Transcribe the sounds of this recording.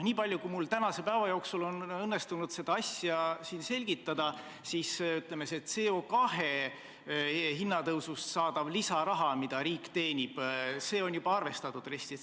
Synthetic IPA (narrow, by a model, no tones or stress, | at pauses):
niːpɑlʲjukujmult̪ænɑse̞pæevɑjo̞ːksulo̞nɤnːe̞st̪unud̪̥se̞d̪ɑɑsjɑsiːnse̞lʲɡ̥it̪ˑːɑd̪̥ɑ | sisyt̪le̞meset̪ːse̞ːo̞kɑɦe | ɦinːɑt̪ɤwsust̪sɑːd̪ɑvlisɑɾɑɦɑmid̪̥ɑɾiːkt̪e̞ːnʲib̥se̞ːo̞njub̥ɑɑrve̞st̪ɑt̪ːˑud̪re̞st̪i